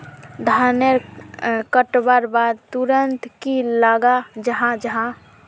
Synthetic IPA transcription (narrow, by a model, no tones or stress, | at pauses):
d̪ʱaneɾkəʈbaɾbad̪̚t̪uɾənt̪kilaɡad͡ʒəɦãd͡ʒəɦã